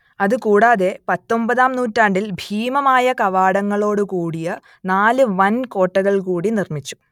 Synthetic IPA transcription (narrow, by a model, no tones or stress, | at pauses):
ɐðɨkuːɽaːðe̞pɐt̪ːo̞mbɐðaːmnuːtːaːɳɖilbʱiːmɐmaːjɐkɐʋaːɽɐŋːɐɭo̞ːɽukuːɽijɐ | naːlɨʋɐnko̞ːʈːɐɣɐɭkuːɽinirmit͡ɕːu̥